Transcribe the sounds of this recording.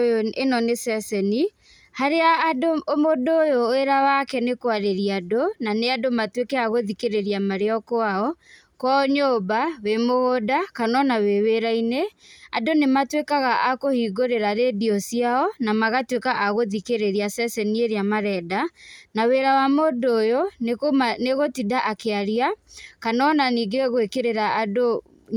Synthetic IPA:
enɔnesɛsɛni | haɾeaːdoomodoːjoeɾawakɛnekwaɾeɾiadonaneadomatwekɛaɣoðikeɾeɾiamaɾeɔkoaɔ | kwɔoɲoːbawemohodakanɔnaweweɾaineadonematwekaɣaʔakohiːɡoɾeɾaɾediɔsiaɔnamaɣatwekaʔaɣoðikeɾeɾiasɛsɛnieɾamaɾɛdanaweɾawamodojoneneɣotidaʔakeaɾiakanɔnaniːɡeɣoekeɾeɾaːdo

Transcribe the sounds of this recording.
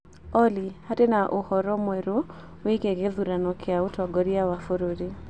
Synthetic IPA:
ɔlihatenaʔuhɔɾɔmwɛɾo | wikeɡeðuɾanɔkʰɛautɔɡɔɾiawafoɾuɾi

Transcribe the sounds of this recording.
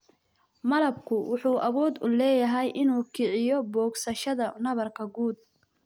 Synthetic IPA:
mɐlɐbkʰʊwʊħuːʔɐβɔːd̪ʊ̰lɛːjɐɦɛjʔɪnuːkʰɪʕɪjɔbɔːɡsɐʃɐðɐnɐβɐrkʰɐɡuːd̪̚

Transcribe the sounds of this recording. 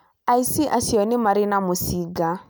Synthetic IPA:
aisiʔasiɔnɪmaɾɪnamʊsiɡa

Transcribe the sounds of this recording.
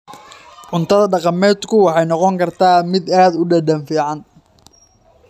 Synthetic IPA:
ʕʊnt̪ʰɐðɐɖɑqɑmɛːd̪kʰʊwɑħɑjnɔqɔŋkʰɐrt̪ʰaːmɪd̪aːd̪ʊɖɐɖɐnfiːʕɑn

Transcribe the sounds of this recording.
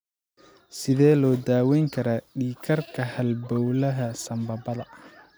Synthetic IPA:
sɪðɛːlɔːd̪aːwɛjŋkʰɐɾɐːɖiːkʰɐrkʰɐhɐlbɔwlɐɦɐsɐmbɐbɐðɐ

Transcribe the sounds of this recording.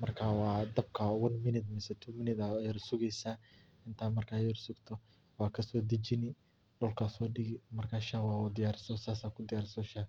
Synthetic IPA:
mɐrkʰaːwɑːd̪ɐb̚kʰɐɔwɐnmɪnɪt̪mɛsɛt̪ʰuːmɪnɪt̪ɐjɐɾsʊɣɛjsaː | ɪnt̪ʰaːmɐrkʰaːjɐɾsʊɡt̪ʰɔ | wɑːkʰɐsɔːd̪ɐd͡ʒɪnɪ | ɖɔlkʰasɔːɖɪɡɪmɐrkʰaːʃawaːwɔd̪ɪjaːɾɪsɔsaːsaːkʰʊd̪ɪjaːɾsɔʃa

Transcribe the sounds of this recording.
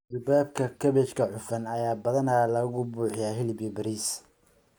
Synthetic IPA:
d͡ʒʊbaːbkʰɐkʰɐβɛt͡ʃkʰɐħʊfɐnɐjaːbɐðɐnɐlɐɣɣʊbuːħɪjaːɦɪlɪbɪbɐɾiːs

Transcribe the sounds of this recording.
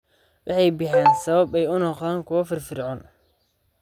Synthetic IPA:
wʔɑħɑjbɪħaːnsɐβɐbɛjʊnɔqaːŋkʰʊwɐfɪrfɪrʕɔn

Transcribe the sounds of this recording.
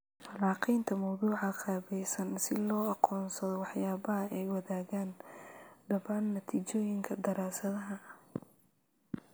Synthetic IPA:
fɐlɑːqijnt̪ʰɐmɑwðuːʕɑqʰɑːβɛjsɐnsɪlɔːɑqɔːnsɐðɔwɑħjaːβɐɦɐʔɛjwɐðaːɣaːn | ɖɐβaːnːɐt̪ʰiːt͡ʃɔːjɪŋkʰɐd̪ɐɾaːsɐðɐɦɐ

